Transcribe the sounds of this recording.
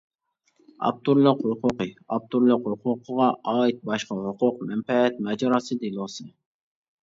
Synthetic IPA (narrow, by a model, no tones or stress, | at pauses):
ɑ̰p̚t̪ʰuɾlˠəqʊqʰʊqɨɑp̚t̪ʰuɾlˠɪqʊqʰʊqʰəʁɑɑːjit̪̚bɑʃqɑɦʊqʊqmɛmpɛɛt̪̚mɛd͡ʒɑɾɑsɨd̪ilˠosɨ